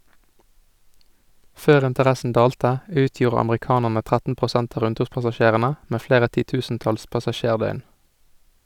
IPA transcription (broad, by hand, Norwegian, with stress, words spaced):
ˈføːʁ ɪntəˈʁæsn̩ ˈdɑːltə ˈʉːˌtjuːʁə ɑmʁɪˈkɑːnəʁnə ˈtʁætn̩ pʁʊˈsænt ˈɑː ˈɾʉnˌtʉːʁpɑsɑˌʃeːʁənə ˈmeː ˈfleːʁə ˌtiːˈtʉːsn̩ˌtɑls pɑsɑˈʃeːʁˌdœʏn